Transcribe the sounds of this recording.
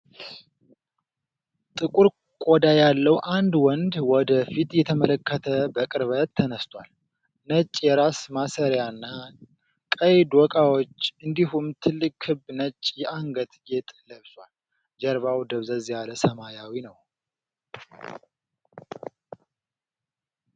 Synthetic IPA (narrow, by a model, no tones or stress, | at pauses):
t̪ʼɨkʼuɾ | kʷʼɔd̪ajalːəwʔand̪wɔnd̪wɔd̪əfit̪jɛt̪ʰəmələkʰːət̪ʰəbəkʼɨɾβət̪ʰːənəst̪ʰʼwa̰l | nət͡ʃʼːjɛɾasmasəɾjanːa | kʼəjd̪wɔkʼawot͡ʃːɨnd̪iɦumt̪ʰɨlːɨkʼhɨbnət͡ʃʼːjɛʔaŋɡət̪ʼjɛt̪ʼləβswal | d͡ʒɛɾβawd̪əβzəzjaləsəmajawinəw